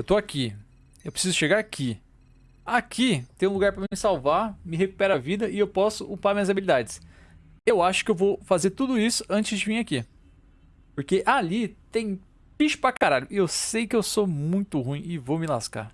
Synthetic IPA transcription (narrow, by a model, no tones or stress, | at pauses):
ewt̪oaki | ewpɾesizʊʃeɡaɾakʰi | akʰit̪ẽj̃ũluɡaɾpɾɐmɪmɪsawvamɪɦeku̥pɛɾavid̪ɐɪewpɔsʊupaɾmĩɐzabilid̪ad͡ʒɪs | ewaʃʊ̥kɪewvowfazeɾt̪ud̪ʊisʊ̥ɐ̃nt͡ʃɪzd͡ʒɪvĩaki | poɾkeʔalit̪ẽj̃ | piʃʊ̥pɾakaɾaʎʊewsejkɪewsomũj̃t̪ʊɦũĩɪvowmɪlaska̰ɾ